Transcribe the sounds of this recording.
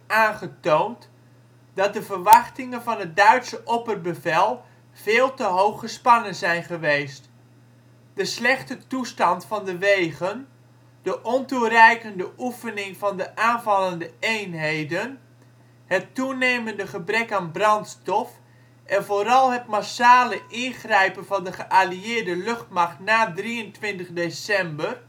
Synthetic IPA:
aːnχətownt | d̥ɑt̚dəvərʋɑχtɪŋənvɑnɦət̚dœɥtsəʔɔpərbəvɛlˠ | v̥eːlˠtəɦowχəspɑnənzɛjnχəʋejst | d̥əslɛχtətustɑntfɑndəʋejɣən | d̥əʔɔnturɛjkəndəʔufənɪŋvɑndəʔaːnvɑlˠəndəejnɦejdən | hətuneːməndəχəbrɛkaːnbrɑntstɔf | ʔɛnvoːɾɑlˠɦətmasaːləʔɪnχrɛjpənvɑndəχəʔaliɪːɹdəløχtmaχtnaːdriəntʋɪntəχdesɛmbər

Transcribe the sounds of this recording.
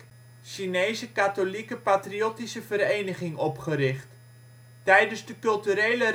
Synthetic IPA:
ʃinejsəkatolikəpatriotisəvəɾejnəχɪŋɔpχəɾɪχt | tɛjdənzdəkɵlˠtyɾejlə

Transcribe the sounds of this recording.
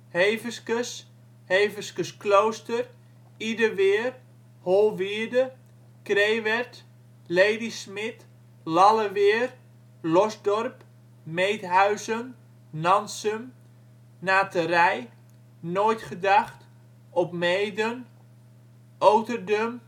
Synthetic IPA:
hejvəskəs | heːvəskəsklowstər | idəʋɪːər | holˠʋiədə | kreːʋɛrt | lejdismɪt | lɑləʋɪːr | lɔzdɔrp | mejtɦœɥzən | nɑnsəm | naːtərɛj | noːjtχədaχt | ɔpmejdən | owtərdøm

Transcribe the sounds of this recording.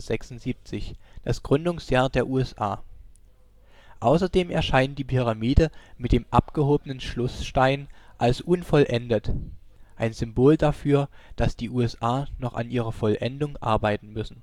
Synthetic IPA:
z̥ɛksʊnz̥iːp̚t͡sɪçd̥asɡ̥ʁʏndʊŋsjaːɐdeːɐʔuːɛsʔa̰ː | ʔaʊsɐdeːmɛɐʃaɪnənd̥iːpʰyʁ̞amiːdəmɪt̚d̥eːmʔa̰pɡ̥əhoːbənənʃlʊsʃtaɪnʔalsʔʊnfɔlʔɛndətʔaɪnzʏmboːldafyːɐd̥asd̥iːʔuːɛsʔaːnɔχa̰nʔiːʁ̞ɐfɔlʔɛ̰ndʊŋʔa̰ɐbaɪtn̩mʏsn̩

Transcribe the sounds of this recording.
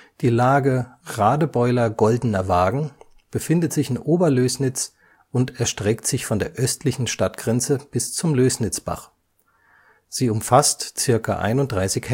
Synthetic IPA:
d̥iːlaːɡəʁaːdəbɔʏlɐɡɔldən̩ɐvaːɡŋ̩ | b̥əfɪndətz̥ɪçɪnʔoːbɐløːsnɪt͡s | ʔʊntɛɐʃtʁ̥ɛktz̥ɪçfɔndeːɐʔœstʰlɪçn̩ʃtatɡ̥ʁɛnt͡səb̥ɪst͡sʊmløːsnɪt͡sb̥a̰χ | z̥iːʊmfastt͡sɪɐka̰ʔa̰ɪnʊntd̥ʁaɪsɪçhɛ

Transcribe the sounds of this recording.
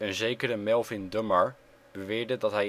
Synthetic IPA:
ənzejkəɾəmɛlˠfɪndøməɹ | b̥əʋɪːɹdədɔtɦɛj

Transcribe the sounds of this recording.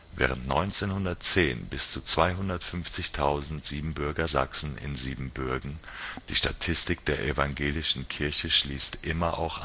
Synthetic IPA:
vɛ̰ːʁ̞əntnɔʏnt͡seːnhʊndɐtt͡seːnbɪst͡sut͡sv̥aɪɦʊndɐtfʏnft͡sɪçtʰaʊzn̩tz̥iːbm̩bʏɐɡɐza̰ksn̩ɪ̰nziːbm̩bʏɐɡŋ̩ | d̥iːʃtatʰɪstɪk̚d̥eːɐʔɛvaŋɡeːlɪʃn̩kʰɪɐçəʃliːstʔɪmɐʔa̰ʊxʔa

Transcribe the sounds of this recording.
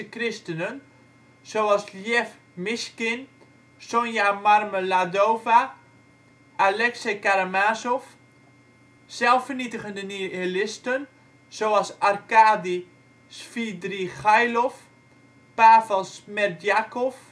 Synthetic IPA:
əkrɪstənən | soalˠsljɛf | mɪskɪn | sonjamarməladoːva | ʔalɛksekaɾamaːsof | sɛlˠfərnitəχəndənielɪstən | sowɑlˠsarkaːdi | sfidriχajlof | paːvɛlˠsmɛrdjakof

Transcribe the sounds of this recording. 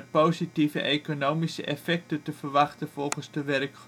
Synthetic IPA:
poːzitivə̰ʔekonowmisə̰ʔɛfɛk̚tətəvərʋɑχtənv̥ɔlˠχənzdəʋɛrəkχ

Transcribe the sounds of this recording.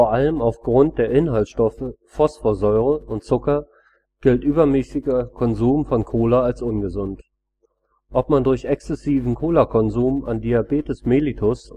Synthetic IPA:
foɐʔaləmaʊfɡ̥ʁʊnt̚d̥eːɐʔɪnhaltʃtɔfəfɔsfoːɐzɔʏʁəʊntt͡sʊkɐ | ɡ̥ɪltʔyːbɐmɛsɪɡəkʰɔnzuːmfɔnkʰoːlaalsʔʊnɡəzʊnt | ʔɔp̚mandʊɐçɛksɛsiːvn̩kʰoːlakʰɔnzuːma̰ndiabeːtəsmeːlitʰʊs

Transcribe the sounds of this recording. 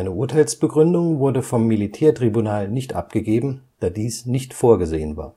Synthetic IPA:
ʔaɪnəʔʊɐtʰaɪlsb̥əɡʁʏndʊŋvʊɐdəfɔmːilitʰɛːɐtʁ̥ibunaːlnɪçtʔa̰p̚ɡ̥əɡeːbm̩d̥aːɐdiːsnɪçtfoːɐɡəzḛːənva̰ːɐ

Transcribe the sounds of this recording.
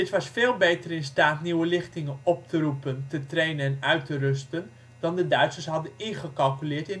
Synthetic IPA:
dɪtʋɑsfeːlˠbejtərɪnstaːtniwəlɪχtɪŋənɔp̚tərupəntətrejnəɛnœɥtərɵstən | dɑndədœɥtsəsɦɑdənɪnχəkɑlˠkylɪːɹtɪn

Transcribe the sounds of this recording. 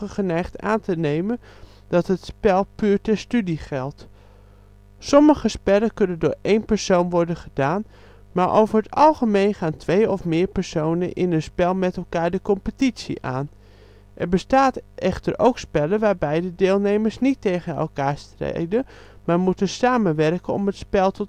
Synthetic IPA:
əχənɛjχta̰ːntənejmən | d̥ɑtɦətspɛlˠpyːɹtɛɹstydiχɛlˠt | sɔməχəspɛləkɵnəndʊːɹejnpɛɹsownʋɔɹdənχədaːn | maːɹʔo̰wvəɹɦətɑ̰lˠχəmejnχaːntʋejɔfmɪːɹpɛɹsownənʔɪnənspɛlˠmɛtɛlˠkaːɹdəkɔmpətitsḭʔa̰ːn | ʔɛɹbəstaːtʔɛχtəɹo̰wkspɛləʋaːɹbɛjdədɪːlˠnejməɹsnitːejχənɛ̰lˠkaːɹstrḛjdə | maːɹmutəsaːmənʋɛrkənɔ̰mətspɛlˠtʰɔt

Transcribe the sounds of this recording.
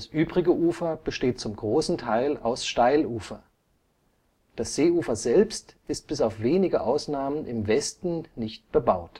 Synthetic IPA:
d̥asʔyːbʁɪɡəʔuːfɐb̥əʃteːt̚t͡sʊmɡʁoːsn̩tʰaɪlaʊsʃtaɪluːfɐ | d̥asz̥eːuːfɐzɛlpstɪst̚b̥ɪsaʊfv̥eːnɪɡəʔaʊsnaːmənʔɪmvɛstn̩nɪçt̚b̥əbaʊt

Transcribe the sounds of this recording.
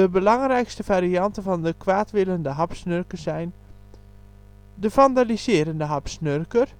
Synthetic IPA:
əbəlɑŋrɛjkstəvaːɾiɑntənvɑndəkʋaːtʋɪləndəɦɑpsnørkəsɛjn | dəfandalizɪəɾəndəɦɑpsnørkər

